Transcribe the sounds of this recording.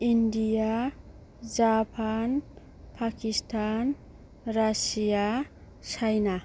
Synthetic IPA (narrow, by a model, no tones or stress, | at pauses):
indija | d͡ʒapʰan | pʰakistʰan | ɾasija | sʰajna